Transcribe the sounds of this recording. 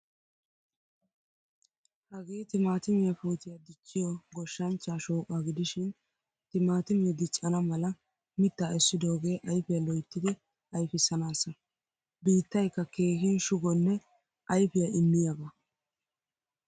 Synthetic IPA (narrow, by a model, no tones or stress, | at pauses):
hɐɡeːt̪ɪmaːt̪ɪmɪjɐfuːt̪ɪjɐd̪ɪt͡ʃʼːɪjɔɡɔʃːɐnt͡ʃːaːʃoːkʼaɡɪd̪ɪʃɪn | t̪ɪmaːt̪ɪmɪjɐd̪ɪt͡ʃʼːɐnɐmɐlɐ | mɪt̪ːaɛsːɪd̪o̞ːɡe̞ːʔɐjpɪjɐlɔjt̪ːɪd̪ɪ | ɐjfɪsːɐnaːsɐ | biːt̪ːɐjkːɐkʰe̞ːhɪnʃʊɡɔnːɛ | ʔɐjpɪjɐɪmːɪjɐbɐ